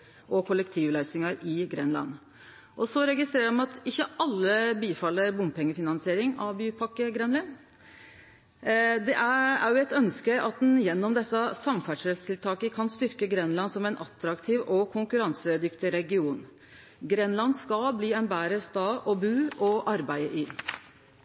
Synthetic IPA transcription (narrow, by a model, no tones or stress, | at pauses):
ʔɔkʰʊlːəkt̪ʰiːʋlæɪsɪŋəɾɪɡɾɛnlɑ̰nː | ʔɔsɔɾɛɡɪst̪ɾeːɾəɾmɑnɑt̪ɪçːəʔɑlːəbiːfɑlːəɾbʊmpʰɛŋːəfɪnɑnsɪeːɾɪŋɑʋbyːpʰɑkːəɡɾɛnlɪn | d̪ɛ̰ʔææ̰ɾjʊɛt̪œnskəɑt̪̚d̪ɛnjɛnːɔmd̪ɛsːɑsɑmfæʂɛst̪ʰɪlt̪ʰɑːkəkʰɑnst̪ʏɾkəɡɾɛnːlɑnsɔmɛnʔɑt̪ɾɑkt̪ʰiːʋɔkʰʊŋkʉɾɑnsəd̪ʏkt̪ɪɾɛɡɪuːn | ɡɾɛnlɑnːskɑlbliːɛnbæːɾəst̪ɑːʔɔbʉːʔɔʔɑɾbæɪəʔɪ